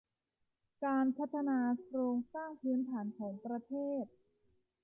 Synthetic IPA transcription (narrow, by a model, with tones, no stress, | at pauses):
kaː˧npʰa˦˥t̪ʰːa˧naː˧kɾoː˧ŋsaː˥˩ŋpʰɯː˦˥nt̪ʰaː˩˦nkʰɔː˩˦ŋpɾa˧t̪ʰeː˥˩t̪̚